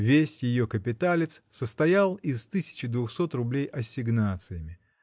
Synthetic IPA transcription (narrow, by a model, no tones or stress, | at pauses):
vʲesʲjɪjokəpʲɪt̪alʲɪt̪ssəst̪ɐjalˠɪst̪ɨsʲɪ̥t͡ɕɪd̪vʊxso̞t̪rʊblʲejɐsʲɪɡnat̪sɨjɪmʲɪ